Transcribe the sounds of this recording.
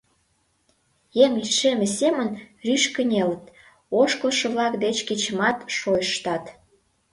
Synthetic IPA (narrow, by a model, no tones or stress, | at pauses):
jeŋʃemesʲemənryʃkə̆nʲelət̪ | oʃkəlʃɤ̆βlɑkd̪et͡ɕket͡ɕəmɑt̪ʃojʃʃt̪ɑt̪